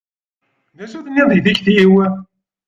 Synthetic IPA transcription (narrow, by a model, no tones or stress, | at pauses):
ðæsuθnːiðˤiðiçθjiwæ